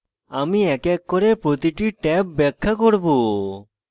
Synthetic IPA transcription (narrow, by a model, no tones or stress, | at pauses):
amiɛkɛkːɔɾepɾot̪iʈiʈɛpːɛkʰːakoɾbo